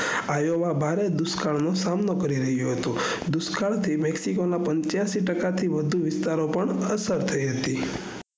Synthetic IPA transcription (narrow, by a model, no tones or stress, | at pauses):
ajoʋabʱaɾed̪ʊskaɭnosamnokəɾiɾəɦjoɦət̪ũ | d̪ʊskʰaɽt̪ʰimɛksikonapəɲt͡ʃjãsiʈəkat̪ʰiʋəd̪ʱuʋɪst̪aɾopəɳəsəɾt̪ʰəiɦət̪i